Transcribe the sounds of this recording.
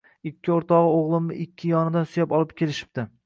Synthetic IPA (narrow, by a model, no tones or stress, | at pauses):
ɪkʲʰːɪoɾt̪ʰɒʁɨoʁlˠɪmnɪ̰ʔɪkʲʰːɪjɒnɪd̪ansʊjapɒlˠɪp̚kʲʰe̞lɪʃɪ̥p̚t̪ɪ